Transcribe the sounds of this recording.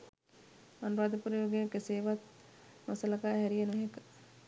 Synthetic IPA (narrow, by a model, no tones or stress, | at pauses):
manɾaːd̪əpuɾəjoːɡekəseːʋat̪̚ | nosələkaːɦɛɾijenuɦekə̥